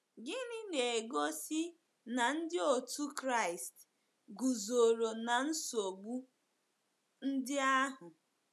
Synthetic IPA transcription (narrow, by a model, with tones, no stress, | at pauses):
ɡɪ˦nɪ˦ne˨e˨ɡo˦sɪ˦ | na˨n̩˦dɪ˦o˨tu˦kɾa˦˨ɪ˨st | ɡu˨zo˨ɾo˨na˨n̩˦so˨ɡ͡bu˦ | n̩˦dɪ˦a˦ɦʊ˨